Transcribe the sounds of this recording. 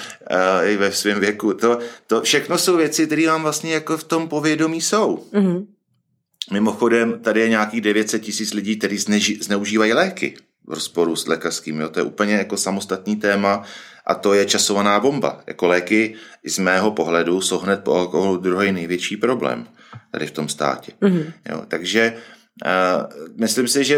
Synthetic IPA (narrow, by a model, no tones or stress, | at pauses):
ɪvɛsvɪmvjɛkut̪o̞t̪ofʃɛxno̞so̞wvjɛt͡sɪkt̪ɛɾiːvaːmvlast̪ɲɛjako̞ft̪o̞mpo̞vjɛdo̞miːso̞w̩ | mɪmo̞xo̞dɛmt̪adɪjɛɲaːkiːɣdɛvjɛt̪sɛt̪̚cɪsiːt͡slɪɟiːk̚t̪ɛɾiːznɛznɛuʒiːvajilɛːkɪ̰ | vɾospo̞ɾuslʔɛ̰ːkar̥skiːmjo̞ːt̪ojɛ̰uːpl̩ɲɛjako̞samo̞st̪at̪ɲiːt̪ɛːmaʔa̰t̪o̞jɛt͡ʃaso̞vanaːbo̞mba̰ja̰ko̞lɛːkɪʔɪzmɛːɦo̞po̞ɦlɛduso̞wɦnɛt̪̚poalkoɦolud̪ɾuɦɛjnɛjvjɛt͡ʃiːpɾo̞blɛ̰ːm | t̪a̰dɪft̪o̞mst̪a̰ːcɛjo̰ːt̪aɡʒɛ | mɪslɪmsɪʒɛ